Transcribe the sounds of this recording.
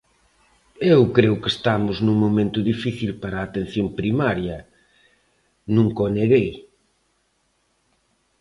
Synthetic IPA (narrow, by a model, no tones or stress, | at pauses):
ewkɾeʊkest̪amʊznũŋmomẽnt̪ʊðifiθilpaɾaːt̪ẽn̟θjompɾimaɾjɐ | nũŋkoneɣej